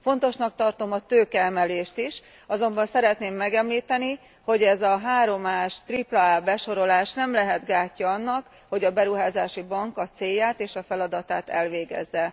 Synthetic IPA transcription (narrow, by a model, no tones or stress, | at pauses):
fo̞nt̪o̞ʃnɒk̚t̪ɒrt̪o̞mɒt̪øːkɛɛmɛleːʃt̪iʃ | ɒzo̞mbɒnsɛɾɛt̪neːmːɛɡɛmliːt̪ɛni | ho̞ɟɛzɒɦaːɾo̞maːʃt̪riplɒaːbɛʃo̞ɾo̞laːʃnɛmlɛɦɛd̪ɡaːcːɒɒnːɒk | ho̞ɟɒbɛɾuɦaːzaːʃibɒŋkɒt̪seːjːaːt̪eːʃɒfɛlɒd̪ɒt̪aːt̪ɛ̰lʋeːɡɛ̰zːɛ